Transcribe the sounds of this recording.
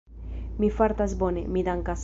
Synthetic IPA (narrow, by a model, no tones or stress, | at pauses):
mifaɾt̪azbonemid̪aŋkas